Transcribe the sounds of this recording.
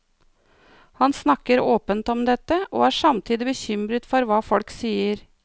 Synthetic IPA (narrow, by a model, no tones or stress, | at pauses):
hɑnsnɑkəɾoːpənt̪ɔmd̪ɛt̪ːəʔo̰ːæːɾʂɑmt̪ʰiːd̪ɪbəçʏmɾət̪fɔɾʋɑːfɔlksiːəɾ